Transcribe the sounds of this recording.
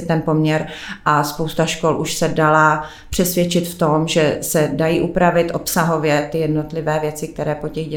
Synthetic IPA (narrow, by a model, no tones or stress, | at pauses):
ɪt̪ɛnpo̞mɲɛɾʔaspo̞wst̪aʃko̞lʔuʃsɛdala | pr̥ɛsvjɛt͡ʃɪt̪ft̪o̞mʒɛsɛdajiːʔupɾavɪt̪ʔo̞psaɦo̞vjɛt̪ɪjɛdno̞t̪lɪvɛːvjɛt͡sɪk̚t̪ɛɾɛːpo̞cɛɣɟɛ